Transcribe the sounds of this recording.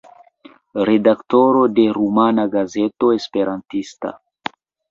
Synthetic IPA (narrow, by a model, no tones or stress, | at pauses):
ɾe̞dakto̞ɾo̞de̞ɾumanaɡazeto̞espe̞ɾʔantista̰